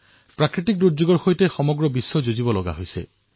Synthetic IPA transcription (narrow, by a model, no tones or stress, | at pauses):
pɹakɹitik̚duɹd͡ʒuɡɔɹxojtexɔmɔɡɹɔbisːɔd͡ʒozibɔlɔɡa̰ɦojsḛ